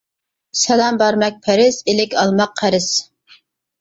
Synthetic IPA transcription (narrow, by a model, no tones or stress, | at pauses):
sɛlˠɑmbɑɾmɛk̚ʲpʰæɾɪsɪlɪkʲʰɑlˠmɑqʰːæɾɪs